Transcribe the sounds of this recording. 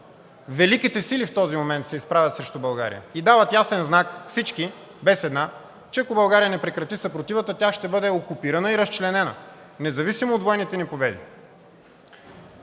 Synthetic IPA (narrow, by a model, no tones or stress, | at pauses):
vɛlikit̪ɛsilift̪ɔzimomɛnt̪sɛispɾavʲjɐt̪sɾɛʃt̪ʊbɐlˠɡa̰ɾḭjə̰id̪avət̪jasɛnznakfsit͡ʃki | bɛsɛd̪na | t͡ʃɛɐkobɐlˠɡaɾijənɛpɾɛkɾɐt̪isɐpɾot̪ivət̪ət̪ʲjaʃt̪ɛbɤd̪ɛokupiɾɐnəiɾɐst͡ʃlɛnɛnə̰ | nɛzɐvisimoːd̪vɔjɛnit̪ɛnipobɛd̪ḭ